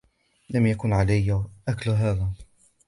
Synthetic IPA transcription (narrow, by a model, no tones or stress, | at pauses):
lamjakʊnʕalajːʔaklɦæːða